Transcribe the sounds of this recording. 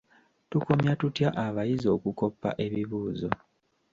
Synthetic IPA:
tuko̞mjatutjaʔaβajizo̞kuko̞pːa̰ʔe̞βiβuːzo̞

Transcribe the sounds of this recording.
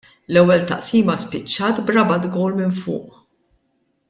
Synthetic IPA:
lɛwːɛlt̪ɐ̰ʔsiːmɐspɪt͡ʃːɐːt̪bɾɐbɐd̪ɡɔwlmɪnfʊ̰ːʔ

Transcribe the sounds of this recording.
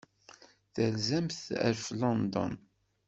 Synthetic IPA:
θəlzæmθæ̰ɾflɑnd̪ɔ̰n

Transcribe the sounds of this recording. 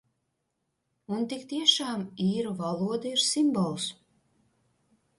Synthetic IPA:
unt̪ikt̪iɛʃɑːmiːɾuvalˠuɔd̪aiɾsimbɔlˠs

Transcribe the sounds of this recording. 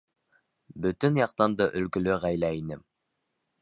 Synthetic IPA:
bɵt̪ɵnjɑq̚t̪ɑnd̪ɤʔɵ̆lkɵ̆lɵʁæjlæinɘm

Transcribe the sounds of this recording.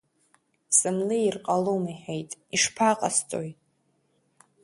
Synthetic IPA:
sɨmlɨirqʼalomiħejtʼiʂpʰaqʼast͡sʼojtʼ

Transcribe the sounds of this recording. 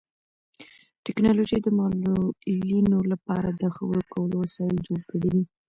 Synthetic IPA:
ʈɪknɑloʒəjd̪əmɑlolinolapɑɾad̪əxawəɾokʰawəloasɑjɪld͡ʒoɽkəɽid̪i

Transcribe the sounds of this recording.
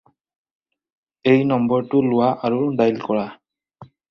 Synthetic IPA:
ejnɔmbɔɹtʊlʊwaʔaɹudajlkɔɹa

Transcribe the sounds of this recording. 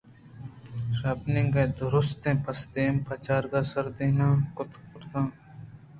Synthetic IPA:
ʃaːpnẽːɡɐd̪ʊɾʊst̪ẽːpɐsd̪eːmpɐt͡ʃaːɾɡaːsɐɾd̪eːnãːkʊt̪kʊɾt̪ãː

